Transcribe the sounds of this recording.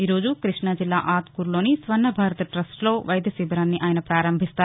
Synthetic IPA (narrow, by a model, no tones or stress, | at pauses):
iːɾo̞ːd͡ʒukɾiʂɳɐd͡ʒilːa̰ːʔaːt̪kuːɾloːnisʋɐɾnːɐbʱaːɾɐt̪ɐʈɾɐsʈlo̞ːʋɐjd̪ʱjɐsiːbɐɾaːnːiʔaːjɐnɐpɾaːɾɐmbʱist̪aː